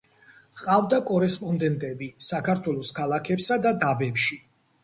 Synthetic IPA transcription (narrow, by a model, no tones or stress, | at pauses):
qʼavd̪akʼɔɾɛspʼɔnd̪ɛnt̪ʼɛbisakaɾt̪ʰwɛlˠɔskʰalˠakʰɛpsad̪ad̪abɛpʃi